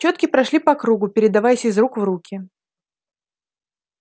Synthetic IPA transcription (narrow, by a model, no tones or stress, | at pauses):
t͡ɕo̞t̪kʲɪpɾɐʂlʲipɐkɾuɡʊpʲɪɾʲɪd̪ɐvajɪsʲɪzɾukvɾukʲɪ